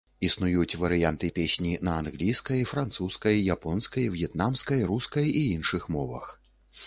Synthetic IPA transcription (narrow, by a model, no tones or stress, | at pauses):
isnujut͡sʲvɐɾɨjant̪ɨpʲesʲnʲinɐanɣlʲijskɐjfɾant̪suskɐjːapɔnskɐjvjɛt̪namskɐjɾuskɐjiinʂɨxmɔvɐ̰x